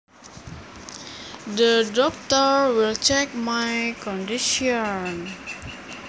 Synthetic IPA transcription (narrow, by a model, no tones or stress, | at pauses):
dədɔk̚t̪əɹwilt͡ʃɛk̚majkɔndiʃiɔn